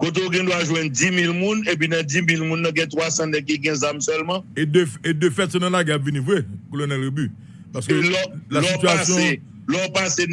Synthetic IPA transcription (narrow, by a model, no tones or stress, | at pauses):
kot̪̬eoɡɛ̃d̪waʒwɛ̃ndimilmũnep̬inɐ̃dimilmũnːɐ̃ɡɛ̃t̪wasɐ̃nɛk̬iɡɛ̃zamsœlmãedøfedøfɛt̪sɔ̃nɐ̃laɡɛapvinĩvwekolonɛlɣeby | paʁsə̥kølɔlasɔityasjɔ̃e | lɔpase